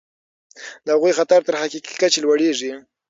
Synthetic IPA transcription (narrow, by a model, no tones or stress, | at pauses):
d̪əhaɣujxat̪aɾt̪əɾɦakiki̥kat͡ʃelwaɽeʐi